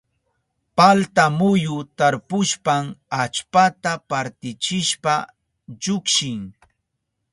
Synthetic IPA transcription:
palt̪amʊjʊt̪aɾpʊʃpamat͡ʃpat̪apaɾt̪ɪt͡ʃɪʃpa | ʎʊkʃɪŋ

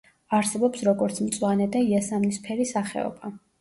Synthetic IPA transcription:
aɾsɛbɔpsɾɔɡɔɾt̪sʰmt̪sʼwanɛd̪aiasamnispʰɛɾisaχɛ̰ɔ̰ba

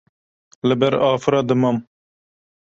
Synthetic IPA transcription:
lɨbɛɾɑːfɨɾɑːd̪ɨmɑm

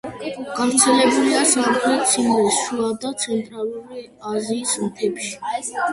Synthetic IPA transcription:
ɡ̥avɾt̪sʰɛlɛbuliasaɾχʰlɛt̪sʰindisʃuad̪at̪sʰɛnt̪ʼɾaluɾi | aziːsmp̪ʰɛpʃi̥

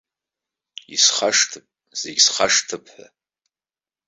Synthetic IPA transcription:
ḭsχaʂtʰɨpʼ | z̥eɡʲsχaʂtʰɨpʰħʷa̰

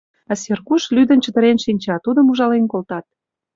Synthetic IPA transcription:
ɑserkuʃlyd̪ə̆nt͡ɕə̆d̪ə̆ɾenʃinʲt͡ɕɑt̪ud̪əmuʒɑlenkolt̪ɑt̪̚

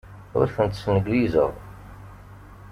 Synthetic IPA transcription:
ʊ̰ɾθənt̪snəɡwizəʁ

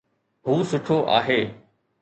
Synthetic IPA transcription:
ɦuːsʊʈʰoʔa̰ːɦeː

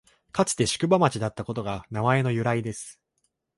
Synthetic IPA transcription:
kat͡sɨ̥t̪e̞ɕi̥kɯ̟bamat͡ɕid̪at̪ːako̞t̪o̞ɡanamae̞no̞jɯ̟ɾaid̪e̞sɨ̥

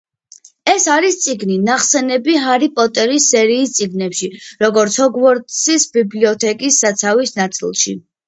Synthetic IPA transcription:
ɛsaɾist̪sʼiɡninaχsɛnɛbiɦaɾipʼɔt̪ʼɛɾisːɛɾiːst̪sʼiɡnɛpʃiɾɔɡɔɾt̪sʰɔɡvɔɾt̪ʼsisbibliɔt̪ʰɛkʼisːat̪sʰavisnat̪sʼḭlˠʃḭ

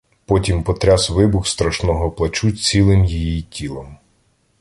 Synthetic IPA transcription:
pɔtʲimpɔt̪ɾʲasʋɪbʊxst̪ɾɐʃnɔɦɔplˠɐt͡ʃut͡sʲilˠɪmjijitʲilˠɐm

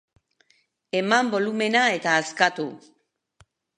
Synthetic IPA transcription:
e̞mambo̞lume̞nae̞t̪aːskat̪u

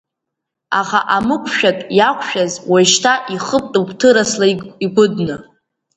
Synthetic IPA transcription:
aχaʔamɨkʷʰʼʃᶣatʼjakʷʰʃᶣazwaʃtʰaʔiχəpʼtʼɨbʰʼtʰɨɾaslaiɡʷʊdnɨ

